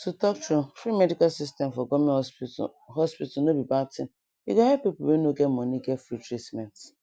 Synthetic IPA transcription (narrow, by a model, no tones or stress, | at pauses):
tutɔk̚tufɾimɛdikalsistɛ̃mfɔɡɔmĩ | ɦɔspitanobibatĩn | jḭɡãhɛpːipʊlwenoɡɛtmɔniɡɛtfɾitɾitmɛ̃nt